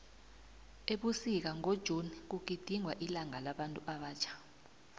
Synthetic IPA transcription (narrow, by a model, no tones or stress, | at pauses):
eɓusik̬aŋod̥ʒ̥ʱunik̬uɡ̥̬ʱid̥ʱiŋwaʔilaŋalaɓantʼuʔaɓaːt͡ʃʰḁ